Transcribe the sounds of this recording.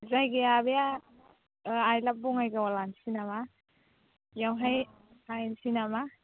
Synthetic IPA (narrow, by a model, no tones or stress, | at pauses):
zajɡejabeja | ajlap̚bɔŋajɡawalansinama | jawɦaj | ajnsinama